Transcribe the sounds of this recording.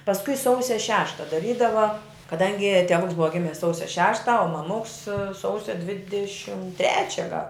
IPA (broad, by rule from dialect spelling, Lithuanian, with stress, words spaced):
pɐsˈkʊɪ ˈsɐʊsʲɛ ˈʃʲæːʃtɐ dɐˈrʲiːdɐʋɐ kɐˈdɐŋʲɡʲɪ tʲɛˈʋʊks ˈbʊʋɐ ˈɡʲɪmʲɪs ˈsɐʊsʲɛ ˈʃʲæːʃtɐ oː mɐˈmʊks ˈsɐʊsʲɛ ˈdʲʋʲɪdʲɛʃʲɪm ˈtʲrʲæːt͡ʃʲɛ ɡɐlˠ